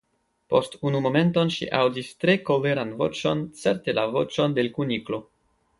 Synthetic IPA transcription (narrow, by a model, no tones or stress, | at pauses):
po̞stunumo̞me̞nto̞nʃḭʔawdistɾe̞kole̞ɾanvo̰t͡ʃo̞nt͡se̞ɾte̞lavo̞̰t͡ʃo̞nde̞lkuniklo̞